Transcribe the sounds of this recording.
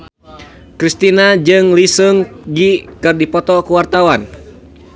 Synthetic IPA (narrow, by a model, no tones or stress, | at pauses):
kɾist̪inad͡ʒɨŋlisɨŋɡikɨrdipɔt̪ɔkuwart̪awan